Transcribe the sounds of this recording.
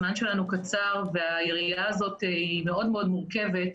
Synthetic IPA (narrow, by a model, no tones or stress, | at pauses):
manʃe̞lanukat͡saʁve̞ajeʁijaːzo̞teime̞o̞dme̞o̞d̪muʁke̞ve̞t